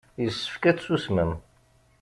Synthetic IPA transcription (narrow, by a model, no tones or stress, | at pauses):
jəsːə̥fkæt͡ssusməm